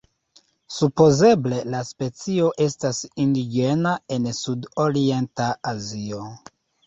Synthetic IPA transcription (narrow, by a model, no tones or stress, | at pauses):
supo̞ze̞ble̞laspe̞t͡sio̞ʔe̞stasindid͡ʒe̞nae̞nsudoɾie̞ntaazio̞